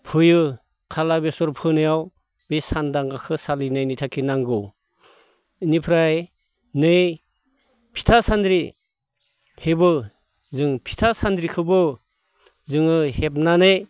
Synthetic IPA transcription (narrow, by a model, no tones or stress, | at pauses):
pʰɯjɯ | kʰalabesɔɾpʰɯnɯjaw | besandaŋɡakʰɯsalinajnijtʰakʰinaŋɡɯw | ɯnipʰɾaj | nɯj | pʰi̥tʰasandɾi | hebɯ | zɯŋpʰi̥tʰasandɾikʰɯbɯ | zɯŋɯhep̚nanej